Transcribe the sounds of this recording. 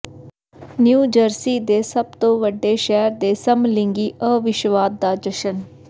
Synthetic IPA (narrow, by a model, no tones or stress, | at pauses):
njuːd͡ʒəɾsiːd̪eːsəb̚t̪õːʋəɖːeːʃɛːɾd̪eːsəmlɪ̃ŋɡiːʔəːʋɪʃʋaːd̪ːaːd͡ʒəʃən